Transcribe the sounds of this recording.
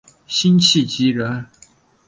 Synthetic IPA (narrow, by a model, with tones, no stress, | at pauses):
ɕi˥nt͡ɕʰi˥˨t͡ɕi˧˥ɻə˧˥n